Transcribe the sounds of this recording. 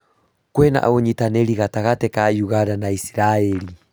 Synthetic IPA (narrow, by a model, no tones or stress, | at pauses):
kwɛna̰ʔa̰oɲitanɛɾiɣataɣatɛkajuɣaɾanaisiɾaɛɾi